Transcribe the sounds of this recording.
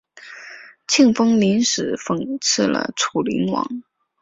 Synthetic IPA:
t͡ɕʰi˥˩ŋfɤ˥ŋli˧˥nʂɻ̩˨˩fɤ˨˩ŋt͡s̩ʰ˥˩lə̰˧˩ʈ͡ʂʰu˨˩lḭ˧˥ŋwɑ̰˧˥ŋ

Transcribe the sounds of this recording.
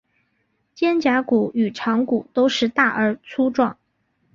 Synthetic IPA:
t͡ɕjɛ˥nt͡ɕja˧˥ku˨˩y˨˩ʈ͡ʂʰɑ˧˥ŋku˨˩t̪o˥ʊʂɻ̩˥˧t̪a˥˩ʔə˞˧˥t͡sʰu˥ʈ͡ʂwɑ˥˩ŋ

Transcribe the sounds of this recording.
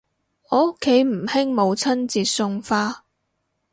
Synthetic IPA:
ɔ˨ʊ˥kʰːe˨˥jm̩˨˩hɪ˥ŋmo˨˧wt͡sʰɐ˥nt͡siː˨t̚sʊ˧ŋfaː˧

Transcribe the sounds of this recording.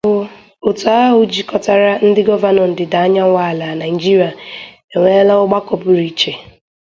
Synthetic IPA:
bʊ˨ | o˨tu˨a˦ɦʊ˨d͡ʒi˨kɔ˨ta˨ɾa˦n̩˦dɪ˦ɡɔ˦va˦nɔ˨n̩˨dɪ˨da˨a˦ɲa˦ŋʷa˦˨la˨na˨ɪ˨d͡ʒi˦ɾi˨a˨ | e˨ŋʷe˦la˦ʊ˦ɡ͡ba˦kɔ˨bʊ˨ɾi˨t͡ʃe˨

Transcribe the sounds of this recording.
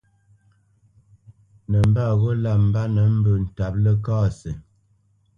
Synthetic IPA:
nə˨m̩˦ba˦˨ɣɔ˦la˦˨m̩˨ba˦nə˨˦m̩˦bə˨n̩˨ta˨p̚lə˦kaː˦sə˨

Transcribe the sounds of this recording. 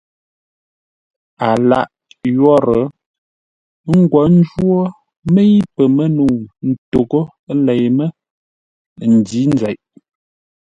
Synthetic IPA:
a˨la̰˦˨ʔ | jɔ˦ɾə˨˦ | ŋ̩˦ɡwɔ˨˦n̩˦d͡ʒwo˦ | mə˦i˦pə˨mə˦nu˨n̩˨to˨ɡo˦ | lɛ˨jmə˦ | n̩˨di˨˦n˦d͡zɛ˨ʔ

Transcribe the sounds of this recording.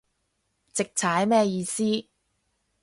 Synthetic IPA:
t͡sɪ˨k̚t͡sʰaː˨˥jmɛː˥jiː˧siː˥

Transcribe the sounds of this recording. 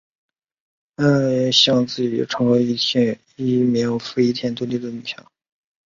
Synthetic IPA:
ə˥˧˥ɕjɑ˥˧ŋt͡sɹ̩˥˩t͡ɕɛ̰˨˩ʈ͡ʂʰɤ˧˥ŋwe˧˥ɪ˧˥ | i˥˩mjɛ˧˥fu˥i˥˩t̪ʰjɛ˥nt̪wə˥li˥˩d̪ə˨˩ny˨˩ɕʰjɑ̰˧˥˦

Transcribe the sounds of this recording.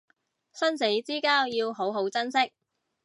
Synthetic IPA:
sɐ˥nse˨˥jt͡siː˥kaː˥wjiː˧wɦo˨˥wɦo˨˥wt͡sɐ˥nsɪ˥k̚

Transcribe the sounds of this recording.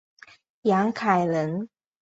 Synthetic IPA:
jɑ˨˧˥ŋkʰa˨˩ɪlə˧˦n

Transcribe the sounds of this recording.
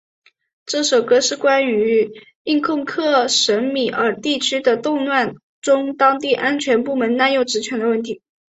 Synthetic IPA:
ʈ͡ʂɤ˥˩ʂo˨˩ʊkɤ˥ʂɻ̩˥˩kwa˥ny˧˥ | i˥˧ŋkʰʊ˥˧ŋkʰɤ˥˩ʂə˧˥nmi˨˩ə˞˧˥t̪i˥˩t͡ɕʰy˥d̪ə˨t̪ʊ˥˧ŋnwa˥˩n | ʈ͡ʂʊ˥ŋt̪ɑ˥ŋt̪i˥˩ʔa˥nt͡ɕʰɥɛ˧˥npu˥˩mə˧˥nna˥˧njo˥˩ʊʈ͡ʂɻ̩˧˥t͡ɕʰɥɛ˧˥nd̪ə˧wə˥˩nt̪ʰi˧˥

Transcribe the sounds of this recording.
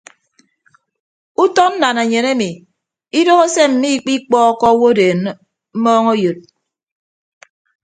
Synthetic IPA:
u˦tɔ˦n̩˦na˨na˨ɲe˨ne˦mi˨ | i˦do˦ɣe˦se˦m̩˨mi˦k͡pi˦k͡pɔː˦kɔ˦wo˦deː˨n | m̩˦mɔː˦ŋo˦jo˨t̚

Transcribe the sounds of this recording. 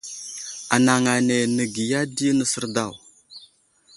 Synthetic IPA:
a̰˨na˨ŋa˨ne˨nə˨ɡi˨ja˦di˦nə˨sə˦ɾda˦˨w

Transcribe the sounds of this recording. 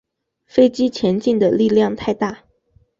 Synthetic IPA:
fe˥ɪt͡ɕi˥t͡ɕʰjɛ˧˥nt͡ɕi˥˩nd̪ə˩li˥˧ljɑ˥˧ŋt̪ʰa˥˧ɪt̪a˥˩

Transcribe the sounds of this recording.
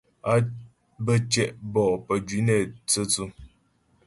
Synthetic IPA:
a˦ | bə˦t͡ʃɛ˦ʔbɔ˨ʔpə˨d͡ʒi˨˦ne˨t͡sə˦t͡su˦

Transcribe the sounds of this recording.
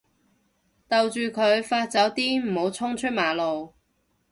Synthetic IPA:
t̪ɐ˨wt͡ʃyː˨kʰɵ˨˧ɥfaː˧t̚t͡sɐ˨˥wt̪iː˥m̩˨˩ho˨˧˥wt͡sʰʊ˥ŋt͡ʃʰɵ˥t̚maː˨lo˨w

